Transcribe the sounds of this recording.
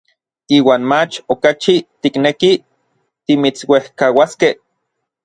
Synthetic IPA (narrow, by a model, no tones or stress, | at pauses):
iːwaːnmat͡ʃokat͡ʃit̪ikneki | t̪imit͡swehkawaskeh